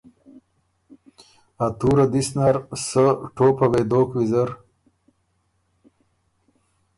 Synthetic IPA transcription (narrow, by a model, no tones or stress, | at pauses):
at̪uːɾad̪isnaɾsəʈoːpɐwed̪oːkwizəɾ